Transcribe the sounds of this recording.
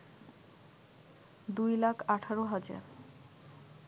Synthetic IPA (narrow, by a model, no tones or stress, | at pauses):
d̪ujlakʰaʈʰaɾoɦad͡ʑa̰ɾ